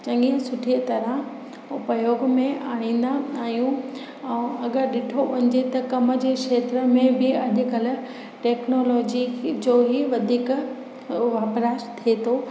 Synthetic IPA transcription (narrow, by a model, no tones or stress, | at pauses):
t͡ɕɐ̃ŋɡiə̃sʊʈʰiːət̪ɐɾə | ʊpəjoːɡmẽaːɽ̃ĩːn̆d̪aaːɦijũ | ɛ̃ːɐɡəɾɗɪʈʰoʊɪ̃ɲd͡ʑet̪ɐkɐmə̆d͡ʑekʃeːt̪ɾəmẽbɪɐɗʊ̆kəl | ʈeːknoːlɔːd͡ʑid͡ʑoːɦiʋɐd̪ʱiːk | ʋaːpɾaːʃt̪ʰiet̪ʰoː